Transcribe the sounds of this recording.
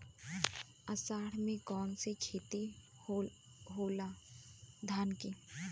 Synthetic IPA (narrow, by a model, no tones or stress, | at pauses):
ɐsaːɽmẽkɔːnset͡ʃʰeːt̪i | ɦoːla | d̪ʱaːnki